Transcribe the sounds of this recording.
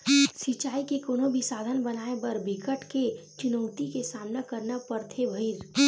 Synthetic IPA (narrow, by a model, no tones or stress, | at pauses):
sit͡ʃaːikekoːnõbʱisaːd̪ʱənbɐnaːebəɾbʱɪkəʈket͡ʃʊnəʊt̪ikesaːmnakəɾnapɐɾt̪ʰebʱəiɾ